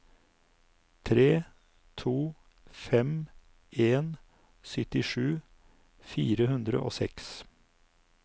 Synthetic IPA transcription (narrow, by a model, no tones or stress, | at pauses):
t̪ʰɾeː | t̪ʰuː | fɛm | ʔeːn | sʏt̪ɪʂʉː | fiːɾəhʉnd̪ɾə̰ʔo̰ːsɛ̰ks